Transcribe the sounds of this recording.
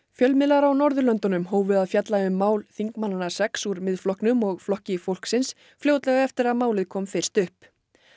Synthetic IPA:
fjœlmɪlaɾawnɔɾðʏlœnt̪ɔnʏmɦoːwvʏðaðfjat̪laʏmːaːwlθiŋkmanːanḁsɛksuɾmɪðflɔhknʏmɔɣflɔhcɪfowl̥ksɪns | fljoːwt̪lɛɣaɛft̪ɪɾaðmaːwlɪðkʰɔːmfɪr̥t̪ʏhp

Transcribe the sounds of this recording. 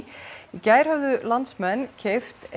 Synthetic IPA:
icaːjɾ̥havðʏlant̪smɛnːcʰeft̪

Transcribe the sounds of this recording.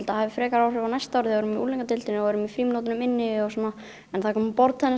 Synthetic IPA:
lt̪ahavɪfɾɛːkaɾawrʏvanajst̪awɾɪθɪɛɾʏmiuːliŋkat̪ɪlt̪ɪnɪɔɛɾʏmifɾiːmnowt̪ɪnʏmɪnːɪɔsɔːna | ɛnθakʰɔːmpɔɾt̪θɛnːɪ

